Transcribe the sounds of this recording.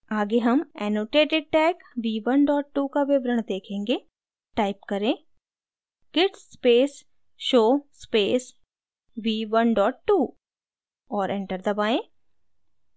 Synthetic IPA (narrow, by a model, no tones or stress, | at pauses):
aːɡeɦɐmɛːnoːʈeːʈɪɖ̚ʈɛːk | ʋiːʋɐnɖɔːʈ̚ːuːkaʋɪʋɾəɽ̃d̪eːkʰẽːŋɡe | ʈaːɪpkɐɾẽː | ɡɪʈsːpeːs | ʃoːspeːs | ʋiːʋɐnɖɔːʈːuː | ɔːɾɛ̃ɳʈəɾd̪ɐbaːẽː